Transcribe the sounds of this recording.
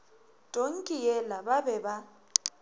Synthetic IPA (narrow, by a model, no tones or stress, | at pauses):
d̥ʱʼoŋ̩kʼijɛlababɛba